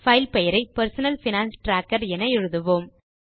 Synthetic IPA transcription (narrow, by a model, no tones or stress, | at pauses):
fɐɪlpɛjɐɾɐɪpɐɾsɐnɐlfɪnaːnsʈɾaːkːɐɾɛnɐɛɻɯðɯʋoːm